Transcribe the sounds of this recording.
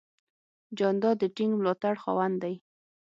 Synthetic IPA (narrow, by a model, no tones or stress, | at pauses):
d͡ʒɑnd̪ɑd̪əʈɪŋɡmlɑt̪aɽxɑ̰wand̪aj